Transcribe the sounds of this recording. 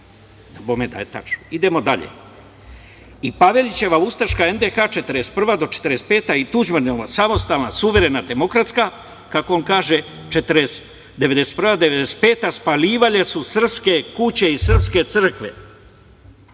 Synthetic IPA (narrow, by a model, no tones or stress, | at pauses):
d̪abomed̪a̰jet̪a̰t͡ʃnoid̪e̞mo̞d̪aʎḛ | ipaʋe̞lʲit͡ɕe̞ʋaust̪aʃkaend̪exaːt͡ʃe̞t̪əɾest̪̚pr̩ʋad̪o̞t͡ʃe̥t̪ɾest̪̚peːt̪ait̪ud͡ʑmaɾnʲoʋasamo̞st̪alnasuʋe̞ɾe̞nad̪e̞mo̞kɾat̪ska | kakoonkaːʒe | t͡ʃet̪ɾes | d̪ee̞d̪e̞se̥t̪̚prʋad̪eʋe̞d̪ese̥t̪̚peːt̪aspaliːʋaʎe̞susr̩pske̞kut͡ɕe̞isr̩pske̞t̪sɨr̩kʋe̞̰